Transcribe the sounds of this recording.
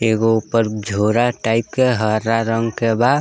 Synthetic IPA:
eɡoupəɾd͡ʒʱoɾaʈaɪp̚keɦəɾaɾəŋɡkebad̪

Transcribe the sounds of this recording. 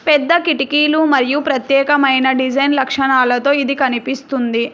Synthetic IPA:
pɛd̪ːɐkiʈikiːlumɐɾijupɾɐt̪jɛːkɐmɐjnɐɖid͡ʒɐjnlɐkʂɐɳaːlɐt̪o̞ːid̪ikɐnipist̪und̪i

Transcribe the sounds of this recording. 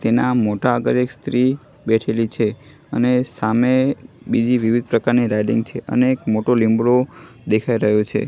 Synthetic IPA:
t̪enamoʈaəɡəɾekst̪ɾi | bɛʈʰelit͡ʃʰe | ənesamebid͡ʒiʋiʋid̪̚pɾəkaɾniɾajɖḭŋɡt͡ʃʰeʔə̰neːkmoʈolimbɽo | d̪ekʰaiɾəɦjot͡ʃʰḛ

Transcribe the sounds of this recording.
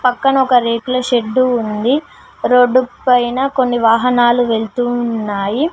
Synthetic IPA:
pɐkːɐnɐɔkɐɾeːklɐʃe̞ɖːuːnd̪i | ɾoɖːuppɐjnɐko̞nːiʋaːɦɐnaːluʋe̞ɭt̪unːaːji

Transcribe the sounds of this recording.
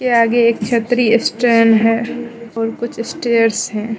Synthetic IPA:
keaːɡeeːkt͡ʃʰet̪ɾiɪsʈɾeːnɦɛɔːɾkʊt͡ʃʰɪsʈeːəɾsɦɛ̃ː

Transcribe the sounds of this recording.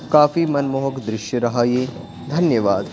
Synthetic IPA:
kaːfimɐnmoɦɐkd̪ɾɪʃjɐɾɐɦaːjeː | d̪ʱɐnjɐʋaːd̪

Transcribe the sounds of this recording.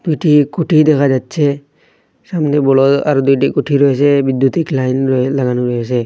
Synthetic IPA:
d̥̪ujʈikuʈʰid̪ɛkʰazatsʰɛ | samnɛbɔlɔt̪a̰ɹud̪ujtikuʈʰiɹojɛs̬ɛbid̪jut̪iklajnlaɡanuɹɔjɛs̬ɛ

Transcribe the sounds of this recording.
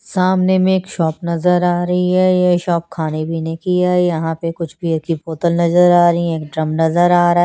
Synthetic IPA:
saːmnemẽeːkʃɔːpnɐzəɾaːɾɐɦiɦɛjeʃɔːp̚kʰaːnebʱinɐĩkiaaːijɐɦãpekʊt͡ʃʰbʱikipoːt̪əlnɐzəɾaːɾɐiɦɛ̃eːk̚ɖɾɐmnɐzəɾaːɾɐɦɛː

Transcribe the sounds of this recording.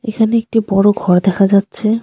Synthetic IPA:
ekʰaneek̚ʈibɔɽoɡʱɔɾd̪ɛkʰad͡ʑatːɕʰe

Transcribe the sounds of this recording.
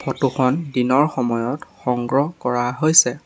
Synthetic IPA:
pʰɔtuxɔndinɔɹxɔmɔjɔtxɔŋɡɹɔkɔɹaɦojsɛ

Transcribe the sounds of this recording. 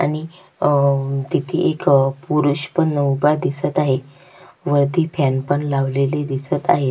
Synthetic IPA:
a̰ɽ̃i | t̪it̪ʰḭʔekpuɾuɕpəɳnəwbad̪isət̪aɦe | ʋəɾd̪iːpʰanpəɳlaʋleled̪isət̪a̰ɦe

